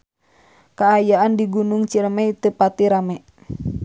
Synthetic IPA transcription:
kaːjaandiɡunuŋt͡ʃiɾmɛit̪əpat̪iɾamɛ

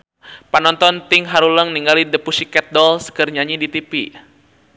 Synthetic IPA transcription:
panɔnt̪ɔnt̪ɪŋɦaɾuləŋniŋɡalidəpusikɛt̪̚dɔlsə̥kərɲaɲidit̪ipi

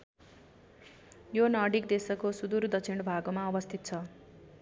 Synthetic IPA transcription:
jonʌɽik̚d̪esʌkosud̪urd̪ʌt͡sʰiɳɖbʱaɡomaʌbʌst̪ʰit̪̚t͡sʰʌ

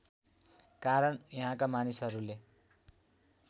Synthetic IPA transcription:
kaɾʌɳjʌɦãkamanisɦʌɾule

